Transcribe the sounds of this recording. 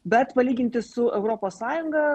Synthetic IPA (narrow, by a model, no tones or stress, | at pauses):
bʲɛt̪pɐlʲiːɡʲɪnt̪ʲɪssʊʔɛʊɾoːpoːssɑːjʊŋɡɐ